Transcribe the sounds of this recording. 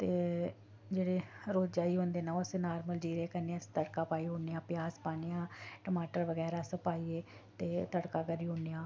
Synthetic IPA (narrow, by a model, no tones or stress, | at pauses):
t̪eː | d͡ʒeːɽeːɾoːd͡ʒd͡ʒaːiːɦõːnd̪eːnaːʊsenaːɾməld͡ʒiːɾeːkəɾneãst̪əɽkaːpaːiːɦoːnejãːpɪjaːspaːneːãːʈəmaːʈəɾʋəɡɛːɾaːsəpaːiːeː | t̪eːt̪əɽkaːkəɾiːɦoːneːjãː